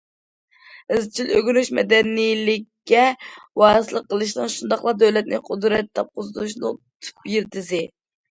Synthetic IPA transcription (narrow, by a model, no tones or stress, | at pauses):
ɪzt͡ʃʰiløɡʲyɾyʃmɛ̰d̪ɛnijlɪkʲːɛwɑːsɨlˠəqːəlˠɨʃ̬nɨŋʃund̪ɑχlˠɑd̪øwlɛt̪̚nɪ̰qʰʊd̪ɾɛt̪ʰːɑp̚qʊzɨd̪uʃnɨ̰t̪ʰu̥pjiɾt̪ɪzɪ